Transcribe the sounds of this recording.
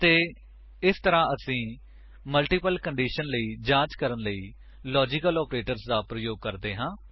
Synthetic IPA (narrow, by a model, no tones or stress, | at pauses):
t̪eː | ɪst̪əɾãːəsĩː | məlʈiːpəlkəɳɖiːʃənləiːd͡ʒãːt͡ʃkəɾənləiː | lɔːd͡ʒɪkəlɔːpɾeːʈəɾsd̪aːpɾəjoːɡ̚kəɾd̪eːɦãː